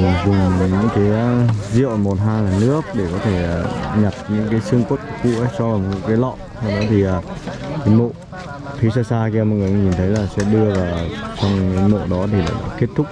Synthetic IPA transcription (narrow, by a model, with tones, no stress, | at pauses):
vʊ˨˩ŋ͡mɲɨ̰˧˥ŋkaː˨˦jzḭ˧˨əwmo˨˩t̚ɦaː˧laː˨˩nɨ˦˥ək̚ɗe˧˩kɔ˨˦t̪ʰe˧˩˨ɲa˨˩t̚ɲɨ̰˧˥ŋkaː˨˦jsɨ˧əŋkwə˦˥t̚kkṵ˧˨ʔə˨˦jt͡ɕɔ˧a˨˩˧kaː˨˦jlɔ̰˧˨ɛ˧˩ɗɔ˨˦t̪ʰi˨˩ʔaː˨˩kaː˨˦jmo̰˧˨ | fʰi˨˦saː˧saː˧kːmɔ̰˨˧˨ŋɨ˨˩jɲi˨˩nt̪ʰə˨˦jlaː˨˩sɛ̰˧˥ɗɨ˧əvaː˨˩wt͡ɕɔ˧wŋ͡ma˨˦mo̰˧˨ɗɔ˨˦t̪ʰi˨˩la̰ː˨˩ɗa̰ː˧˥ke˦˥t̚t̪ʰʊ˦˥k͡p̚